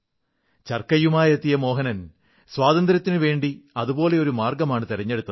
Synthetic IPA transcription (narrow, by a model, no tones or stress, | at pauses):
t͡ɕɐrkɐjumaːjet̪ːijɐmo̞ːɦɐnɐn | swaːðɐnd̪ɾɐt̪ːinɨʋe̞ːɳɖiɐðubo̞ːle̞o̞ɾumaːrɡɐmaːɳɨt̪iɾɐɲːe̞ɽut̪ːɐðɨ